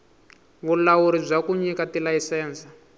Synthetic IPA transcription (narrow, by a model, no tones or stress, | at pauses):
βulawuɾib͡ʐʷakuɲikatilaisɛːnsḁ